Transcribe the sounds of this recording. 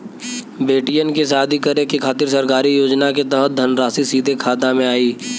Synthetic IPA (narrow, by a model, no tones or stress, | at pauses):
beːʈijənkisaːd̪ʱikəɾẽkekʰaːt̪ɪɾsəɾkaːɾijoːd͡ʒnaket̪ɛːɦt̪̚d̪ʱənɾaːsisiːd̪ʱekʰaːt̪amẽaːiː